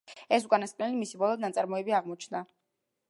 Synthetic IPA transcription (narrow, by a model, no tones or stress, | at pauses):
ɛsukʼanasqʼnɛlimisibɔlˠɔd̪nat̪sʼaɾmɔɛbiaʁmɔt͡ʃʰnd̪a